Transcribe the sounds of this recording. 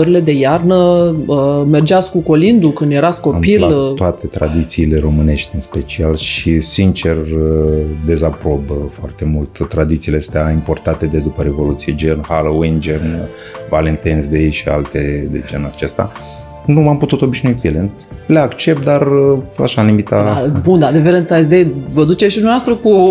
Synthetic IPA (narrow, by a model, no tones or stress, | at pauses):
əɾile̞d̪e̞jarnəəme̞rd͡ʒask̚kuko̞lind̪ukɨnd̪je̞ɾasko̞pilt̪oat̪e̞t̪ɾa̰d̪it̪siːle̞ɾo̞mɨne̞ʃt̪ʲɨnspe̞t͡ʃialʃisint͡ʃe̞rəd̪e̞zapɾo̞bəfoart̪e̞mult̪ːɾad̪it̪siːleəst̪eaimpo̞rt̪at̪e̞d̪ed̪upəɾe̞vo̞lut̪sijed͡ʒernhalowind͡ʒern | valent̪ensd̪ejʃia̰lt̪e̞d̪ḛd͡ʒenat͡ʃe̞st̪a̰ | nuamput̪ut̪o̞biʃnoikujele | leakt͡ʃep̚t̪̚d̪ara̰ʃanumit̪aabund̪ad̪eveɾent̪as̬d̪ejvəd̪ut͡ʃeʃid̪umavast̪ɾəku